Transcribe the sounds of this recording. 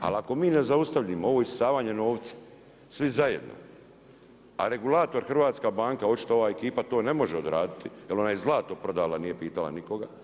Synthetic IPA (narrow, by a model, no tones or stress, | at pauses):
a̰lako̞miːne̞zaust̪aʋʎimoo̞ʋoissaːʋaːɲeno̞ːʋt̪sḁ | sʋizaje̞d̪nʔo̰ | a̰ɾe̞ɡulˠaːt̪o̞ɾxr̩ʋaːt̪skabaːŋkao̞t͡ʃi̥t̪ooʋaːe̞kiːpat̪o̞ːne̞mo̞ʒeo̞d̪ɾaːd̪it̪ijelo̞naːjezlˠaːt̪opɾo̞d̪aːlaniːje̞piːt̪ala̰niko̞ɡa